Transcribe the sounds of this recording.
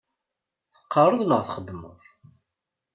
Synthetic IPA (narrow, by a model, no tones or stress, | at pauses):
θə̥qːɑɾˤəðˤnəʁθχəd̪ːmə̰ðˤ